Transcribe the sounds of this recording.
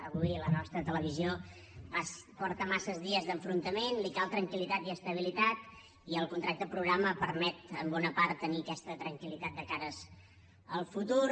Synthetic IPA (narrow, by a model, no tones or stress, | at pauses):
əβuijələnɔst̪ɾət̪ələβ̞izio | paspɔɾt̪əmasəzðiəzðəɱfɾunt̪əmenlikalˠt̪ɾəŋkilit̪at̪iəst̪əβ̞ilit̪at̪ | iəlˠkunt̪ɾak̚t̪əpɾuɣɾaməpəɾmɛt̪ə̰mbɔnəpaɾt̪ːənikɛst̪ət̪ɾəŋkilit̪at̪̚d̪əkaɾəz | əlˠfut̪u